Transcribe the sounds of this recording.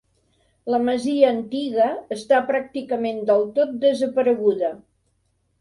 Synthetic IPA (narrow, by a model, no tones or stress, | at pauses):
ləməziəːnt̪iɣəːst̪apɾak̚t̪ikəmend̪əlˠt̪ot̪̚d̪əzəpəɾəɣuðə